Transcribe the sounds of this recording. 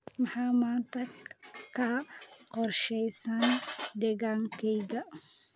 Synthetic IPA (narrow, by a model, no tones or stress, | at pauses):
mɐħɑːmaːnt̪ʰɐkʰɐqɔrʃɛjsɐnd̪ɛɣaːŋkʰɛjɣɐ